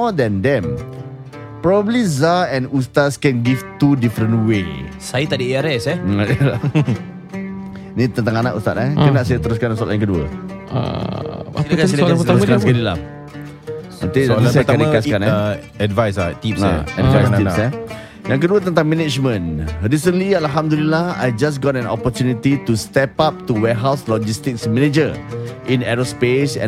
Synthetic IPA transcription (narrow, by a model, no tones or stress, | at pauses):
mɔdɛndɛ̃m | pɾɔbəblizaɛ̃nust̪atskɛnɡift̪udifɾənʔwe | sajət̪aʔdəeaɾɛsɛ | nĩt̪ənt̪aŋanaʔṵst̪at̪akənaʔsajət̪əɾus̬kansɔa̰lʔjaŋkəduə̰ | a̰ait̪kaspəasəkskadəla̰m | at̪iasaət̪ãdəkaskanɛ | ɛdvajsat̪ipaɛdvajsiɛ | jãŋk̬əduət̪ənt̪ãŋmɛnid͡ʒmə̃nɾis̬ə̃nlialɦamd̪ulilaha̰jd͡ʒas̬ɡɔtɛ̃nɔ̰pət̪junit̪it̪ust̪ɛpap̚t̪uwɛɦawslɔd͡ʒist̪ɪksmɛned͡ʒəʔĩnɛɾospesɛ̰̃